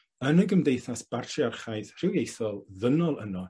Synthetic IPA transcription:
ənəɡəmdejθasb̥artʰriarχajðr̥ɪwjejθɔlˠðənɔlˠənɔ

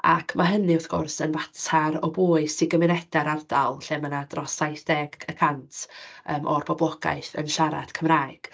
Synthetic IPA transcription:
a̰kʰmaɦənɨʊθɡ̥ʊrsənvatʰaɾɔbuːɨsɪɡəmɪnɛd̥aɾardalˠɬɛmənadrɔsajθd̥ɛɡəkʰantʰəːmʔɔrbʰɔblˠɔɡ̥a̰ɨθə̰nʃaɾa̰d̥kʰəmraːɨɡ̥

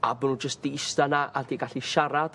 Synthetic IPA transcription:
a̰bɔnud͡ʒəstd̥iɪstanaʔard̥iːɡaɬiʃaɾad̥

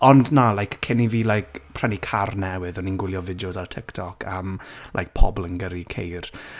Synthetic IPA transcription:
ɔndnalajkkʰɪniviːlajkpʰr̥ɛnikʰarnɛwɨðɔninɡwɪlˠjɔvɪdijosartʰɪktʰɔkʰa̰mlʔa̰jk̚pʰɔ̰blˠənɡəɾikʰejr

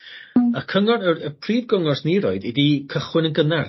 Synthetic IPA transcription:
akʰəŋɔnərəpʰriːd̚ɡɔŋɔsniɾɔɨdidikʰəχwɪnənɡənar

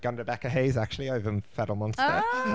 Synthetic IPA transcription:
ɡ̥ʌ̃ndəbɛkəɦeɪzak̚t͡ʃulˠiəʊvə̃nfɛdlˠmɒ̃nstə

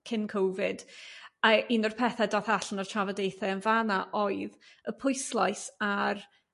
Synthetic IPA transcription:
kʰɪnkʰowvɪd̥əinɔrpʰɛθɛdaːθaɬənɔrt͡ʃʰavədejθɛənvanaʔoɨðəpʰʊɨslˠajsar

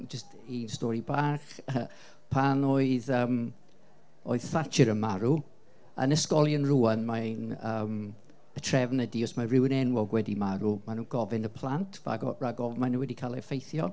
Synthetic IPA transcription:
d͡ʒəst | instɔːɾibaːχə | pʰanoɨðəːm | o̰ɨð̥θat͡ʃʰɪɾənmaɾu | ə̰nəskɔlˠjənruanmanəm | ətʰrɛvnədiɔsmarɪwənɛnwɔɡwɛdimaɾumanuːnɡɔvɪnəpʰlˠantʰva̰ɡɔ̰raɡɔvmanəwɛdikʰaːlˠɛfejθjɔ

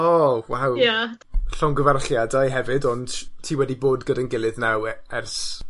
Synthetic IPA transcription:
ɔwawja | ɬɔŋɡəvarɬjadajɦɛvɨdɔnd̥tʰiːwɛdiboːdɡədənɡɪlˠɨðnawɛrs

